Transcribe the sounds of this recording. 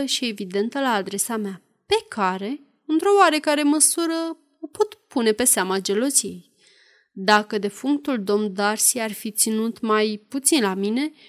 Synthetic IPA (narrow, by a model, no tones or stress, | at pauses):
əʃie̞vid̪e̞nt̪əlaːd̪ɾe̞samea | pe̞kʰaɾe̞ | ɨnt̪ɾo̞oaɾe̞kaɾe̞məsuɾə | opo̞t̪pune̞pe̞seamad͡ʒe̞lo̞zije̞j | d̪akəd̪e̞fuŋkt̪uld̪o̞md̪arsiarfit̪sinut̪majput̪sinlamine̞